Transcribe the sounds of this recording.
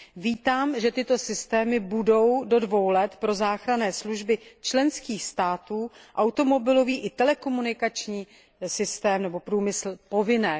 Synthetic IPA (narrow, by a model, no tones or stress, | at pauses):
viːt̪aːmʒɛt̪ɪt̪o̞sɪst̪ɛːmɪbudo̞wdo̞dvo̞wlɛt̪pɾo̞zaːxɾanɛːsluʒbɪt͡ʃlɛnskiːxst̪aːt̪uːʔawt̪o̞mo̞bɪlo̞viːʔɪt̪ɛlɛko̞munɪkat͡ʃɲiː | sɪst̪ɛːmnɛbo̞pɾuːmɪsl̩po̞vɪnɛː